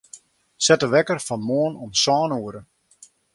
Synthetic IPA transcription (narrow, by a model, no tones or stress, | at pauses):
sɛtəʋɛkərfɔnmoənɔmsɔːnuəɾə